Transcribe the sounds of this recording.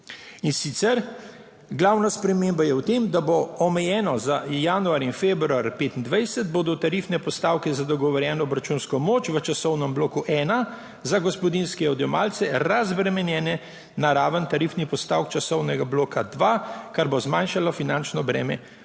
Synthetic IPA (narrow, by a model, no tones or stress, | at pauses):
insit̪sɛɾ | ɡlawnaspɾɛmeːmbajɛwt̪eːmd̪aboɔmɛjɛːnɔzajanuaːɾinfeːbɾuaɾjpeːt̪ind̪ʋajsəd̪̚boːd̪ɔt̪aɾifnɛpɔst̪awkɛzad̪ɔɡɔʋɔɾjɛːnɔːbɾat͡ʃunskɔmoːt͡ʃʋət͡ʃasɔwnəmbloːkuʔɛːna | zaɡɔspɔd̪inskɛɔd̪jɔmaːlt̪sɛɾazbɾɛmɛnjɛːnɛ | naɾaːʋənt̪aɾifnipɔst̪awkt͡ʃasɔwnɛɡabloːkʰad̪ʋakaɾbozmanʃalɔfinant͡ʃnɔbɾɛ̰ːmɛ̰